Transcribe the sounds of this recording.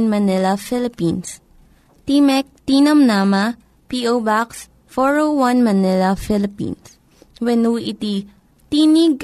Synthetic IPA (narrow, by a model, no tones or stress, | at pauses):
nmɐnɛlɐfilɪpins | t̪imɛk̚t̪inɐmnama | piʔowbaks | fɔɹowãnmɐnɛlɐfɪlɪpḭ̃ns | wɛnuʔit̪i | t̪iniɡ